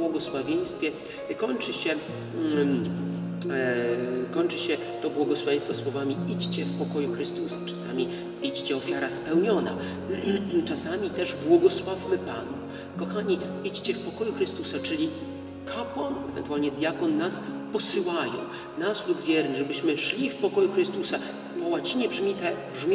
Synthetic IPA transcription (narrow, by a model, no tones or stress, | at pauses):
bwɔɡɔswavʲjej̃st̪fʲjɛ | kɔɲt͡ʂɘɕɛ | kɔɲt͡ʂɘɕɛ | t̪ɔbwɔɡɔswavʲẽjst̪fɔswɔvamʲiit͡ɕt͡ɕɛfpɔkɔjuxɾɘst̪usḁt͡ʂasa̰mʲi | it͡ɕt͡ɕɛɔfʲjaɾaspɛwɲɔna̰ | t͡ʂasamʲit̪ɛʐbwɔɡɔswavmɘpanu | kɔxaɲi | it͡ɕt͡ɕɛfpɔkɔjuxɾɘst̪usat͡ʂɘlʲi | kʰapwanɛvɛ̰nt̪uwalɲɛd̪ʲjakɔnːaspɔsɘwajɔ̰̃w̃ | naslud̪vʲjɛɾnɘʐɛbɘɕmɘʂlʲifpɔkɔjuxɾɘst̪usa | pɔwat͡ɕiɲɛbʐmʲit̪ɛbʐmʲ